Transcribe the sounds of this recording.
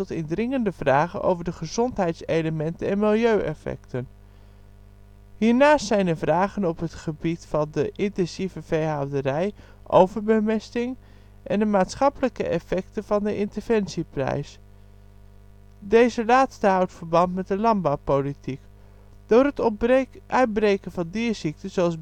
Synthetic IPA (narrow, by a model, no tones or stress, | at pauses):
ɔtɪndrɪŋəndəv̥raːχənʔo̰wvəɹdəχəzɔntɦɛjtsejləmɛntənɛnmɪlˠjøɥʔɛ̰fɛ̰ktən | hiːɹnaːstsɛjnəvraːχənɔpɦətχəbitfɑndəʔɪntɛnsivəvejɦɑwdərɛj | ʔowvəɹbəmɛstɪŋ | ʔɛndəmaːtsχɑpələkə̰ʔɛfɛktəv̥ɑndəʔɪntəɹv̥ɛnsiprɛ̰js | dejzəlaːtstəɦɑwtfəɹbɑntmɛt̚dəlɑnbawpolitik | d̥ʊːrətʔœɥt̚brejkənvɑndiːzik̚təzoɑlˠs